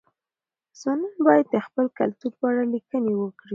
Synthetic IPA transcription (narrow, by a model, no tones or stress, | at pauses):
z̥onɑnbɑjad̪̚d̪əxpəlkalt̪uɾpəaɽalikənewəkɽi